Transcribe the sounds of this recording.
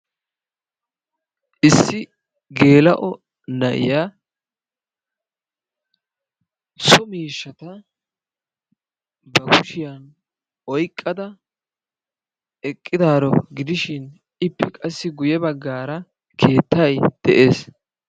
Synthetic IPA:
ʔɪsːɪ | ɡe̞ːlɐʔɔ | nɐʔɪ̰ja | sɔmiːʃːɐt̪ɐ | bɐkʊʃɪjɐn | ɔjkʼːɐd̪ɐ | ɛkʼːɪd̪aːɾɔɡɪd̪ɪʃɪn | ʔɪpʰːɛkʼɐsːɪɡʊjɛbɐɡːaːɾɐ | kʰe̞ːt̪ʰːɐjd̪̥ɛʔe̞ːs

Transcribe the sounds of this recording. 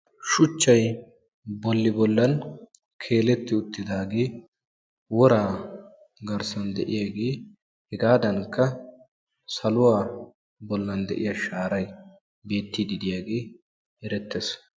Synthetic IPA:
ʃʊt͡ʃːɐj | bɔlːɪbɔlːɐn | kʰe̞ːlɛt̪ːɪʊt̪ːɪd̪aːɡeː | wɔɾaː | ɡɐɾsɐnd̪ɛ̰ʔɪjaːɡeː | hɛɡaːd̪ɐŋkːɐ | sɐlʊwaː | bɔlːɐnd̪ɛ̰ʔɪjaʃaːɾɐj | be̞ːt̪ːid̪ɪd̪ɪjaːɡeː | ɛɾɛt̪ːes

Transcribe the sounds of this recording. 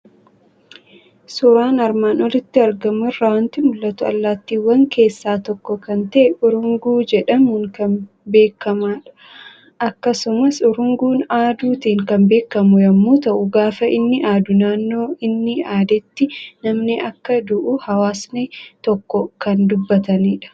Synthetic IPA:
sʊɾaːnɐɾmaːnɔlɪt̪ːɪɐɾɡɐmʊrːɐwɐnt̪ɪmʊlːɐt̪ʊɐ̰lːaːt̪ːiːwːɐŋke̞ːsːaːt̪ɔkːɔkɐnt̪ɐʔɛʔʊɾʊŋɡuːd͡ʒɛᶑɐmʊŋkɐn | be̞ːkːɐmaːᶑɐ̥ | ʔɐkːɐsʊmɐsʊɾʊŋɡuːnaːd̪uːt̪iːŋkɐmbe̞ːkːɐmʊjɐmːoːt̪ɐʔʊɡaːfɐɪnːɪʔaːd̪ʊnaːnːo̞ːɪnːɪaːd̪ɛt̪ːɪnɐmnɪʔɐkːɐd̪ʊʔʊhɐwaːsnet̪ɔkːɔkɐnd̪ʊbːɐt̪ɐniːᶑɐ̥

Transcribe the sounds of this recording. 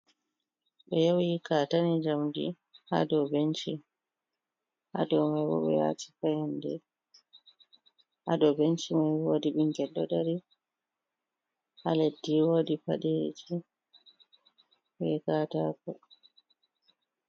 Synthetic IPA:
ɓɛjowikatanid͡ʒamdḭ | ha̰dɔbent͡ʃi | ha̰dɔwmajbɔ̰ɓɛ̰ja̰ːti̥fajandɛ | hadɔbent͡ʃimajwoːdiɓiŋɡɛdɔdaɾi | haledːiwoːdipa̰ɗed͡ʒi | wɛkaːtakɔ

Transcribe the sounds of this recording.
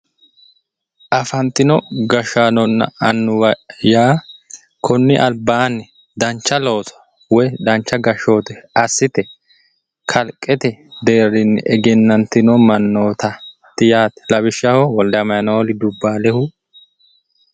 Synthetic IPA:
ʔɐfɐnt̪ɪnɔɡɐʃanɔnːɐ̰ɐnːʊwɐjaː | kʰɔnːɪʔɐlbaːnːɪ | d̪ɐnt͡ʃːɐlo̞ːt̪ɔ̥ | wɔjd̪ɐnt͡ʃːɐɡɐʃo̞ːt̪ɛɐsːɪt̪ɛ | kʰɐlkʼɛt̪ɛd̪e̞ːrːɪnːɛʔɛɡɛnːɐnt̪ɪnɔmɐnːoːt̪ɐ | t̪ːɪjaːt̪ɛ̥lɐβɪʃɐhɔwɔld̪ɐɐmɐjɐnɐɔlɪd̪ʊbːaːlɛhʊ

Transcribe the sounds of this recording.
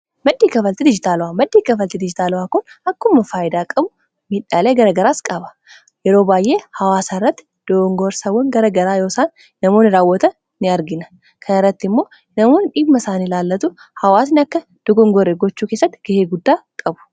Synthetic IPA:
mɐd̪ːiːkɐfɐlt̪ɪd̪ɪd͡ʒɪt̪aːlʊwaːmɐd̪ːiːkɐfɐlt̪ɪd̪ɪd͡ʒɪt̪aːlʊwaːkʊnɐkːʊmːɐfaːjɪd̪aːkʼɐbʊ | mɪᶑaːleːɡɐɾɐɡɐɾaːskʼɐbɐ̥ | jɛɾo̞ːbaːjʔe̞ːhɐwaːsaːrːɐt̪ːɪ̥ | d̪̥ɔɡɔŋɡoːɾsɐwːɔŋɡɐɾɐɡɐɾaːjo̞ːsaːnː | ɐmo̞ːnɪɾaːwːɔt̪ɐ | nɪɐɾɡɪnɐ̥ | kʰɐnɐrːɐt̪ːɪmːo̞ː | nɐmoːnᶑiːbmːɐsaːnilaːlːɐt̪ʊhɐwaːsnɪɐkːɐ | d̪̥ɔɡɔŋɡoɾeɡɔt͡ʃːuːkeːsːɐt̪ːɪ̥ɡ̥ɐheːɡʊd̪ːaːkʼɐbʊ̥

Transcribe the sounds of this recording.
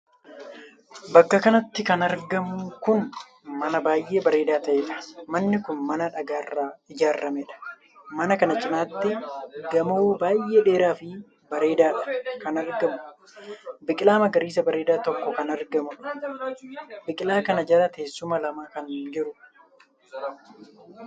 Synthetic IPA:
bɐkːɐkɐnɐt̪ːɪkɐnɐɾɡɐmʊkʊn | mɐnɐbaːjʔe̞ːbɐɾe̞ːd̪aːt̪ɐʔeːᶑɐ̥mɐnːɪkʊnmɐnɐᶑɐɡaːrːaːɪd͡ʒaːrːɐmɛᶑɐ̥ | mɐnɐkɐnɐt͡ʃʼɪnaːt̪ːɪɡɐmoːbaːjʔːe̞ːᶑe̞ːɾaːfɪ | bɐɾe̞ːd̪aːᶑɐ̥kɐnɐɾɡɐmʊ | bɪkʼɪlaːmɐɡɐɾiːs̬ɐbɐɾe̞ːd̪aːt̪ɔkːɔkɐnɐɾɡɐmʊ | bɪkʼɪlaːkɐnɐd͡ʒɐɾɐt̪ʰe̞ːsːʊmɐlɐmaːkɐnd͡ʒɪɾʊ

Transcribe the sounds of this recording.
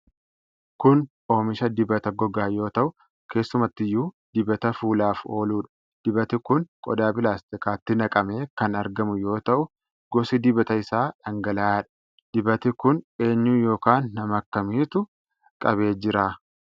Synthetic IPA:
kʊnʔo̞ːmɪʃɐd̪ɪbɐt̪ɐɡɔɡaːjo̞ːt̪ɐʔʊ | kʰe̞ːsːʊmɐt̪ːɪjːuːd̪̥ɪbɐt̪ɐfuːlaːfo̞ːluːᶑɐ̥ | d̪̥ɪbɐt̪ɪkʊnkʼɔ̰d̪aːbɪlaːst̪ɪkaːt̪ːɪnɐkʼɐme̞ːkɐnɐɾɡɐmʊjo̞ːt̪ɐʔʊ | ɡ̥ɔsɪd̪ɪbɐt̪ɐɪsaːᶑɐŋɡɐlaːᶑɐ̥ | d̪̥ɪbɐt̪ɪkʊne̞ːɲːuːjo̞ːkaːnːɐmɐkːɐmiːt̪ʊ | kʼɐβe̞ːd͡ʒɪɾaː

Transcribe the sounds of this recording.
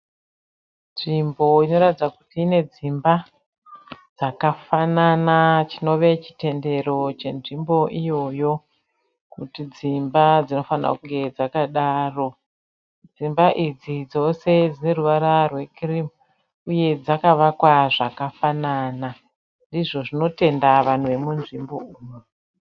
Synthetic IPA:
nʐimbo̞ino̞ɾatid͡zakutiːne̞d͡zimba | d͡zakafananat͡ʃino̞ʋe̞t͡ʃi̥te̞nde̞ro̞t͡ʃe̞nʐimbo̞ʔijo̞jo̞ | kutid͡zimbad͡zino̞fanra̰kuŋɡe̞d͡zakaɗaːro̞ | d͡zimbaʔid͡zid͡zo̞se̞d͡zine̞ruʋaɾarwe̞krimu | uje̞d͡zakaʋakwaʐakafanana | ndiʐo̞ʐino̞te̞ndaʋan̤uʋe̞munʐimbo̞uːmo

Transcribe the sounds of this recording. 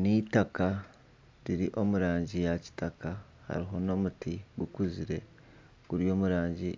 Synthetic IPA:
nitaka | ɾiɾiʔo̞muɾaːɲɟijaci̥taka | ha̰ɾiɦo̞no̞ːmutiɡukuziɾe̞ | ɡ̥uɾjo̞ːmuɾaːɲɟi

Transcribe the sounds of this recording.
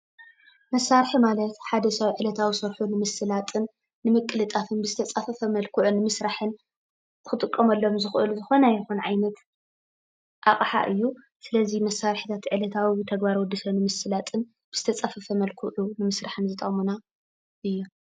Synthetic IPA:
mɐsːaɾħimalɐt̪ħad̪ɐsawiʕɨlɐt̪ʰawisɐɾħunɨmɨsɨlat̪ʼɨnː | ɨmɨkʼːɨlɨt̪ʼafɨnbɨzɨt̪ʰɐt͡sʼafɐfɐmɐlkʰuʕunːɨmɨsɾaħɨn | kʰɨt̪ʼɨkʼːɐmɐlːo̞mzɨxʔɨ̰luzɨxo̞nɐjɛxunʕajnɐt̪ | ʔaχʼħa̰ʔɨjːu | sɨlɐzimɐsːaɾħit̪ʰat̪ʕɨlɐt̪ʰawit̪ʰɐɡbaɾwɔd̪ːisɐnɨmɨsɨlat̪ʼɨn | b̥ɨz̥ɨt̪ʰɐt͡sʼafɐfɐmɐlkʰuʕunɨmɨsɾaħɨnzɨt̪ʼɐ̰muna | ʔɨjːu

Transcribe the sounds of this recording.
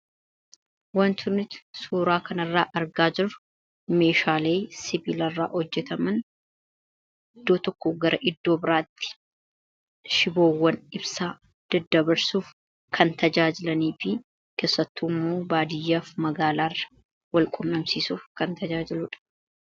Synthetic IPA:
wɐnt̪ʊnːɪt̪suːɾaːkʰɐnɐrːaːʔɐɾɡaːd͡ʒɪɾʊ | me̞ːʃaːle̞ːsɪbɪlɐrːa̰ːhɔd͡ʒːɛt̪ɐmɐn | ɪd̪ːoːt̪ɔkːɔɡɐɾɐʔɪd̪ːo̞ːbɪɾaːt̪ːɪ̥ | ʃɪboːwːɐnɪbsaː | d̪̥ɐd̪ːɐbɐɾsuːf | kʰɐnt̪ɐd͡ʒaːd͡ʒɪlɐniːfɪ | ke̞ːsːɐt̪ːuːmːoːbaːd̪ɪjːaːfmɐɡaːlaːrːɐ̥ | wɐlkʼʊmːɐmsiːsuːfkɐnt̪ɐd͡ʒaːd͡ʒɪlʊᶑɐ̥

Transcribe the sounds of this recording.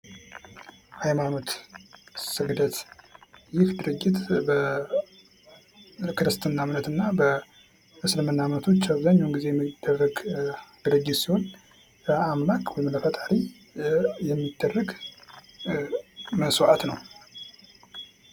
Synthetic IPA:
hajmano̞t̪ | sɨɡd̪ət̪ | jɪhd̪ɨɾɨɡːɪt̪bə | kʰɨɾɨst̪ʰɨnːamnət̪ɨnːabə | ʔɨslɨmɨnːamnət̪ʰo̞t͡ʃːaβzəɲːunɡize̞jɛmːid̪̥ːərːəɡɡ̥ɨɾəɡːisiho̞n | bəamlakʼwɔjmləfət̪ʼaɾi | jɛmːid̪̥ːərːəɡ | məswat̪nəw

